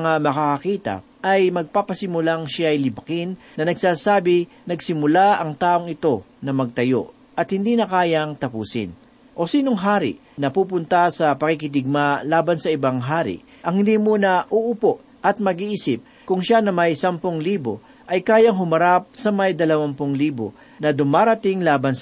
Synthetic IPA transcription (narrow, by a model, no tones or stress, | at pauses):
ɐŋamɐkakɐkiːt̪ɐ̰ | ʔɐjmɐɡ̚papɐsɪmʊlaŋʃajlɪbkɪnːɐnɐɡsaːsaːbɪ | nɐɡsɪmʊlaʔɐŋt̪aːʔo̞ŋɪt̪o̞nɐmɐɡ̚t̪ɐjo̞̰ʔ | ʔɐt̪hɪnd̪inɐkaːjɐŋt̪ɐpuːsɪ̰n | ʔo̞siːnoŋɦaːɾɪ̰ʔ | nɐpup̬ʊnt̪asɐpɐkikɪt̪̬ɪɡ̚malaːbɐnsɐɪbaŋɦaːɾɪ̰ʔ | ʔɐŋhɪnd̪imuːnɐʔuʔʊpoʔ | ʔɐt̪̚mɐɡiʔiːsɪp̚ | kʊŋʃanɐmɐjsampoŋliːbo̰ | ʔɐjkaːjɐŋɦʊmɐɾap̚sɐmɐjd̪ɐlɐwampoŋliːbo̰ | nɐd̪ʊmaːɾɐt̪ɪŋlaːbɐns